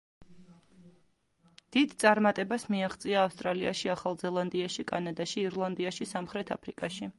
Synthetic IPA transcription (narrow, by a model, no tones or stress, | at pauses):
d̪̥id̪t̪sʼaɾmat̪ʼɛbasmiaχt̪sʼiaːfst̪ʼɾalia̰ʃiaχalˠzɛlˠand̪iaʃikʼanad̪aʃiːɾlˠand̪iaʃisamχɾɛt̪ʰa̰pʰɾikʼaʃi